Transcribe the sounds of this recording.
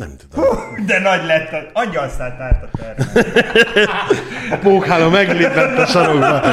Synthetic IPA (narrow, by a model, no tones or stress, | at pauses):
nɛ̰mt̪ud̪od̪ɛnɒɟlɛt̪ːɛɒɲːɒlsaːlt̪aːlt̪ɒt̪ɛr | ɒpoːkhaːlomɛɡleːpɛt̪ːɒʃɒɾoɡbɒ